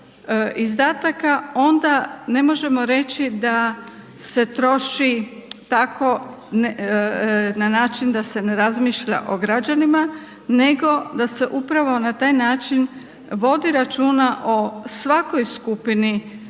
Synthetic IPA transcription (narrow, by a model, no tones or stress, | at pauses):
izd̪aːt̪akao̞nd̪ane̞mo̞ʒe̞mo̞ɾe̞t͡ɕid̪a | se̞t̪ɾo̞ʃit̪ako̞ | n | nanaːt͡ʃind̪ase̞ne̞ɾazmiːʃʎa̰ʔo̞ɡɾad͡ʒanima | ne̞ɡo̞d̪ase̞ʔupɾaʋo̞nat̪aːjnaːt͡ʃin | ʋo̞d̪iɾat͡ʃuːnaʔo̞sʋako̞jskupini